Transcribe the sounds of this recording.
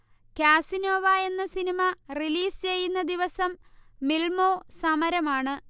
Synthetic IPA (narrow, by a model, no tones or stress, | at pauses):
kaːsinoːʋaːe̞nːɐsinimɐriliːst͡ɕe̞jːunːɐd̪iʋɐsɐmːilmo̞ːsɐmɐɾɐmaːɳɨ